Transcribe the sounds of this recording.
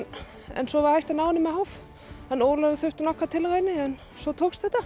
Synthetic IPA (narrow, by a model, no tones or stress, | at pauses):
ɛ̰nsɔvaɾhajçt̪anaːwnɪmɛhawf | hanːoːwlœðʏθœɥht̪ʏnɔkat̪ʰɪlɾajnɪɛn | sɔt̪ʰoːkst̪θɛht̪ːa